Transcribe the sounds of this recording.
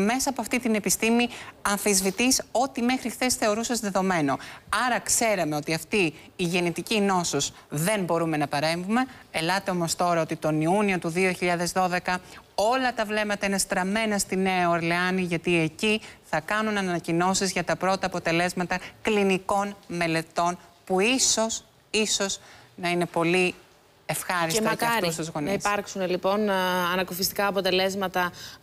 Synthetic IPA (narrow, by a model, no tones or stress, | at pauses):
me̞sɐːpoɐft̪it̪ine̞pist̪imiɐɱfizvit̪iso̞t̪ime̞xɾixθe̞sθe̞o̞ɾusɐsðe̞ðo̞me̞no̞ɐɾɐkse̞ɾeme̞o̞t̪iɐft̪iːʝe̞nit̪icino̞suz | ðe̞nbo̞ɾume̞nɐpɐɾe̞ɱvume̞ːlɐt̪e̞o̞mo̞st̪o̞ɾɐo̞t̪it̪o̞niunio̞t̪uðio̞çiʎɐðe̞zðo̞ðe̞kɐo̞lɐt̪ɐvle̞mɐt̪ɐine̞st̪ɾɐme̞nɐst̪ine̞ɐoɐɾleɐniʝɐt̪ie̞ciθɐkɐnunɐnɐnɐcino̞sizʝɐt̪ɐpɾo̞t̪ɐːpo̞t̪e̞le̞zmɐt̪ɐkliniko̞nme̞le̞t̪o̞npuiso̞s | iso̞z̥nɐine̞po̞li | e̞fxɐɾisst̪ɐɐɾust̪uzɣoniiɐɾksunelipo̞nɐnɐkofist̪i̥kɐːpo̞t̪e̞le̞zmɐt̪ɐ